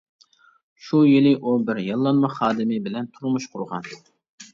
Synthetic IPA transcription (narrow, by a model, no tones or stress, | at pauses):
ʃujilɪʔubɪɾjɑlˠːɑnmɑχɑːd̪ɪmɪbɪlɛnt̪ʰuɾmuʃqʰʊɾʁɑ̰n